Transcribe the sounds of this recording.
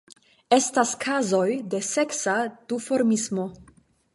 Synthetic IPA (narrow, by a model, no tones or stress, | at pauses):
e̞staskʰazo̞jde̞se̞ksad̥ufo̞ɾmismo̞